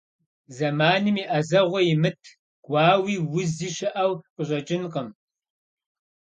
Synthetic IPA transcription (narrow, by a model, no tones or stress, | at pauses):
zɐmaːnɨmiːʔɐzɐʁʷɔjɪmɨtʰ | ɡ̥ʷɑːwiːwʊziːʃɪʔɐwqʼəɕʼɐt͡ʃʼɪnqəm